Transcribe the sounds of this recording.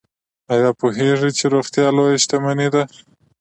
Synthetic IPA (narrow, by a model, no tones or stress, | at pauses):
ajɑpoɦeʐit͡ʃeɾoxt̪jɑlojaʃt̪amanid̪a